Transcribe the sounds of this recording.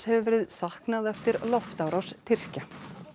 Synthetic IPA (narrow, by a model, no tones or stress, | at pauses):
hɛvɾɪðsahknaðɛft̪ɪɾlɔft̪awɾawst̪ʰɪr̥ca